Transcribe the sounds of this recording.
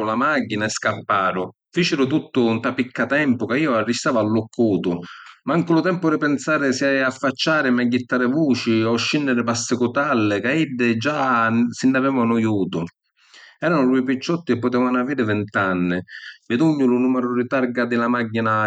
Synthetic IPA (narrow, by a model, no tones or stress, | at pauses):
ʊlamaɡinaɛskapːaːɾʊ | fit͡ʃɪɾʊt̪ut̪ːʊnt̪apikːat̪ɛmpʊkaiːʊarːist̪aːvalːʊkʰːuːt̪ʊmaaŋkɪlʊt̪ɛmpʊɾɪpɛnsaːɾɪsiaafːat͡ʃːaːɾɪmaɟːit̪ːaːɾɪvuːt͡ʃiɔʃːinːɪɾɪpasːɪkʊt̪alːɪkaid̪ːɪd͡ʒasɪnːavɛːvanʊjuːt̪ʊ | ɛːɾanʊɾuipit͡ʃːɔt̪ːɪɪpːʊt̪ɛːvanaviːɾɪvɪnt̪anːɪmɪd̪uɲːʊlʊnumɛɾʊɾit̪aɾɡad̪ɪlamaɡːina